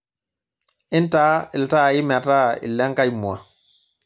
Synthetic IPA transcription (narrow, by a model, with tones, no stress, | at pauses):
ʔi˦ntaː˦i˨lta˦˨ji˦ma˨ta˦ḭ˨lːɛ˦ŋka˦jmu˨a̰˨